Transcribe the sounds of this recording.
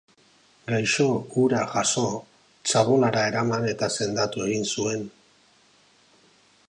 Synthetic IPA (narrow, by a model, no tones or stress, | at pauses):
ɡajʃo̞ɡuɾaʝaso̞ | t͡saβo̞laɾae̞ɾamane̞t̪ase̞nd̪at̪ue̞ɣinsue̞n